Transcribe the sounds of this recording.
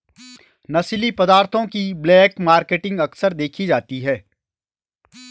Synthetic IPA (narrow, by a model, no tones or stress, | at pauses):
nɐslipɐd̪aːɾt̪ʰõkiblɛːkmaːɾkeːʈɪ̃ŋɡɐksəɾd̪eːkʰid͡ʒaːt̪iɦɛː